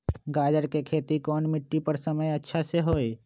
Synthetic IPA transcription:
ɡaːd͡ʒəɾkekʰeːt̪ikɔːnmɪʈːipɐɾsɐməjɐtːʃʰaseɦoːe

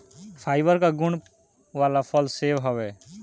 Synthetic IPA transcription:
pʰaːɪbəɾkaɡʊɳ | ʋaːlapʰəlseːʋɦɔʋeː

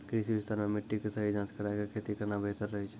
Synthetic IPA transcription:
kɾɪsiʋɪst̪aːɾmẽmɪʈːikesəɦid͡ʒãːskəɾakekʰeːt̪ikəɾnabeːt̪əɾːɐɦit͡ʃʰe

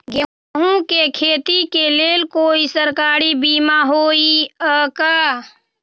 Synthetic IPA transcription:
ɡə | ɦũkekʰeːt̪ikeleːlkoːisəɾkaːɾibiːmaɦoːiəka

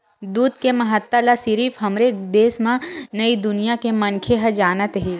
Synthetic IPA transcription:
d̪uːd̪kemɐɦət̪ːəlasɪɾiːfɦɐmɾed̪eːsmãnəid̪ʊnijakemɐnkʰeɦəd͡ʒaːnət̪ɦeː

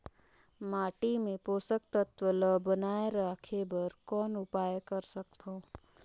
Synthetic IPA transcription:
maːʈimẽpoːsək̚t̪ət̪ʋələbənaːeɾakʰebəɾkɔːnʊpaːjkəɾsək̚t̪ʰoː

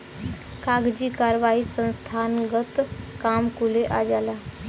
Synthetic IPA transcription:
kaːɡd͡ʒikaːɾʋaːisə̃nst̪ʰaːnɡət̪kaːmkuleʔad͡ʒaːla

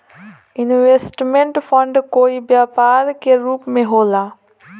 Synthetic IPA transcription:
ɪnʋeːsʈmẽɳʈpʰə̃ɳɖkoːibjaːpaːɾkeɾuːpmẽɦoːlaː

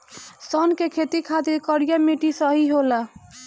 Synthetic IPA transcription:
sʌnkekʰet̪ikʰad̪ikəɾijameʈisəɦiɦola

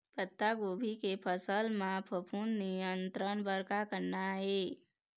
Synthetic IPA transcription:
pət̪ːaɡobʱikepʰəsəlmapʰəpʰunnijənt̪ɾənbəɾkakəɾnaɦe

